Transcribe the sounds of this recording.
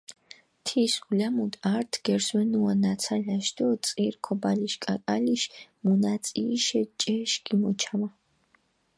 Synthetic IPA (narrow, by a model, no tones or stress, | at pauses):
t̪ʰisulamut̪ʼaɾt̪ʰɡ̥ɛɾswɛnuwanasʰalʲaʃd̪ɔt̪sʼiɾkʰɔbaliʃkʼa̰kʼaliʃmunat̪sʼiʃɛt͡ʃʼɛʃɡimɔt͡ʃʰama